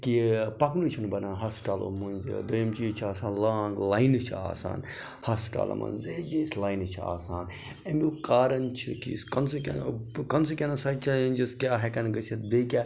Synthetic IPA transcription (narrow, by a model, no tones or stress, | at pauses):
kipɐknut͡ʃʰinbɐnaːɦɐsʈaːlo̰mɐnz̰d̪ɐjɐmt͡ʃiːt͡ʃʰiaːsaːnlaːŋɡlaːinɨt͡ʃʰia̰ːsa̰ːn | hɐsʈa̰ːlɐ̰mɐ̰nzed͡ʒiːslaːinɨt͡ʃʰia̰ːsaːn | embikaːɾɐnt͡ʃʰikḭskɐnsukʲɐ̰kɐns̬ukʲenɐsat͡ʃɐlɐnʲd͡ʒiskʲaːɦɛkɐnɡət͡ʃʰɐt̪beːkʲaː